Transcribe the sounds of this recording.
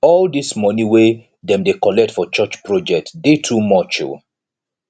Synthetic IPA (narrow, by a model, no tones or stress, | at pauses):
ɔldismɔniwe | dɛ̃mdekɔlɛk̚tfɔt͡ʃɔt͡ʃpɹɔd͡ʒɛk̚tdetʰumɔt͡ʃṵ